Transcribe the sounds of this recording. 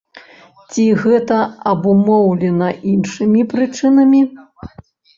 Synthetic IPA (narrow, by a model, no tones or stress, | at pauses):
t͡sʲiɣɛt̪ɐɐbumɔwlʲɛnɐʔinʂɨmʲipɾɨt͡ʂɨnɐmʲi